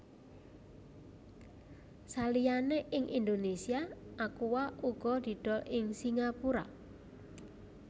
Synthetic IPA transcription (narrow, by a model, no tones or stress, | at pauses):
salijaneʔɪŋʔind̪onesiaʔakuwauɡ̥ɔd̪̥i̤ɖ̥ɔʔɪŋsiŋapuɾa̰